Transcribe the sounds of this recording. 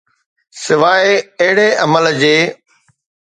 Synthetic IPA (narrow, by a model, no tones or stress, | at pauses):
sɪʋaːeɐɦɪɽeʔɐməld͡ʑeː